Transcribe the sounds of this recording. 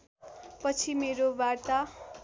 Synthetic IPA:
pʌt͡sʰimeɾobart̪a

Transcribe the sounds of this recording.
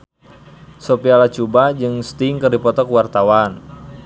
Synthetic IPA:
sopialat͡ʃubad͡ʒɨŋst̪iŋkɨrdipɔt̪ɔkwart̪awan

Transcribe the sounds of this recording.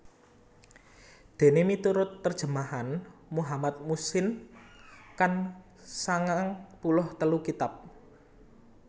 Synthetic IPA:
d̪̥e̤nemit̪uɾʊt̪ːərd̥ʒ̥ə̤maɦanmuɦamat̪̚musɪn | kan | saŋaŋpulʊht̪əlukit̪ap̚

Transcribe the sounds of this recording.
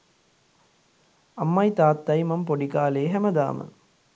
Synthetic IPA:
ɐmːɐjt̪aːt̪ːɐjmɐmpoɖikaːleːɦæməd̪a̰ːmə̰

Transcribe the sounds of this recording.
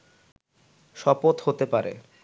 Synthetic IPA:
ʃɔpot̪ɦot̪epaɾḛ

